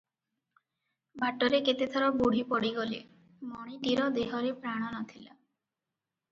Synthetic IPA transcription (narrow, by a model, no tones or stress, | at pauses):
bʱaʈːɔɾeket̪et̪ʰɔɾɔboɽ̤ʱipɔɽiɡolḛ | mɔɽ̃iʈiɾɔd̪eɦɔɾepɾaɽ̃ɔnɔt̪ʰila